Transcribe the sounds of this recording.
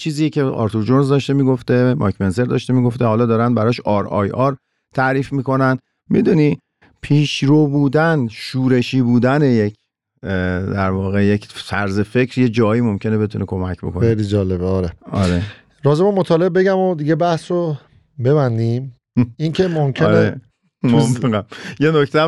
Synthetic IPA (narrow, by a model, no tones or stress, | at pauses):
t͡ʃʰiːzijecʰeɒ̰ːɾt̪ʰod͡ʒonzd̪ɒʃt̪emiːɡoft̪e̞mʔɒ̰kʰmense̞ɾd̪ɒ̰ːʃt̪emiːɡo̞ft̪eɦɒːlɒːd̪ɒːɾænd̪̚bæɾɒʃɒːɾɒ̰ːjɒɾ | t̪ʰæɾiːfmiːko̞næn | mḭd̪uniː | pʰiːʃɾobuːd̪ænʃuːɾe̞ʃiːbuːd̪æne̞jecʰ | d̪æɾvɒːɣe̞jecʰfæɾze̞fe̞cʰɾjed͡ʒɒːjiːmo̞mcʰe̞ne̞be̞t̪ʰunekʰo̞mæcʰbo̞kʰoejlid͡ʒɒːlebeɒɾeɒɾe | ɾɒːzemomːot̪ʰɒːlebe̞ɟæmod̪iɟe̞bæhsɾo | beβænd̪im | incʰemomcʰenee | momfeɣæmjenocʰt̪ʰæ